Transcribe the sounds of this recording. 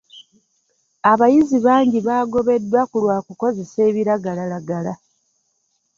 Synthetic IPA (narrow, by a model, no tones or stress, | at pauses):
aβajiziβaːɲɟiβaːɡo̞βe̞dːwakulwaːkuko̞ze̞se̞ːβiɾaɡalalaɡala